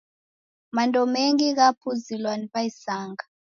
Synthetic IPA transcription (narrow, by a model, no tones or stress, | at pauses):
mandʼɔmeŋɡik̬apʰuzilwanipaisaːŋɡa